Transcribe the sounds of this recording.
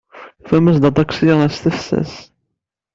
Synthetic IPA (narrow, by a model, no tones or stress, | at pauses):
fæməsd̪ɑd̪ˤɑkʷsænæst̪æfsæ̰s